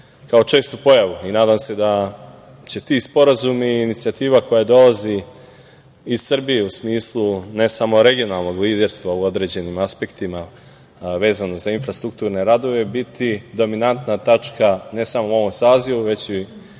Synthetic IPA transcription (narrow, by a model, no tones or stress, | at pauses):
kao̞t͡ʃe̞ːst̪upo̞jaʋuinaːd̪aːmse̞d̪a | t͡ɕe̞t̪ispo̞ɾazumiːnit̪siat̪iːʋako̞jad̪o̞lazi | zsr̩bije̞usmiːslˠune̞samo̞ɾe̞ɡio̞nalˠno̞ɡliːd̪e̞ɾst̪ʋauo̞d̪ɾe̞ːd͡ʑe̞nimaspe̞kt̪ima | ʋe̞ːzanozainfɾast̪ɾuk̚t̪uːɾne̞ɾad̪o̞ʋe̞bit̪ʰid̪o̞minant̪nat̪at͡ʂkʰane̞samouo̞ʋo̞msaːziʋuʋe̞t͡ɕi